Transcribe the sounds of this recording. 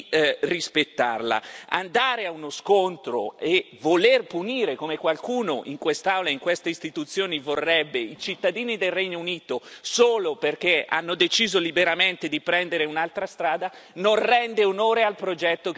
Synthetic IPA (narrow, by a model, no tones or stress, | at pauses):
rispet̪ːa̰rla̰a̰nd̪aːɾeaunoskont̪ɾo̰evolerpuniːɾekomekwalkuːnoʔiŋkwest̪awlaiŋkwest̪eist̪it̪ut̪sːjoːnivorːɛbːeit͡ʃit̪ːad̪iːnid̪elrɛɲːouniːt̪osoːloperk̟ea̰nːod̪et͡ʃiːzolibeɾament̪ed̪ipɾɛnd̪eɾeunalt̪ɾast̪ɾaːd̪anonrɛnd̪eonoːɾealpɾod͡ʒɛt̪ːo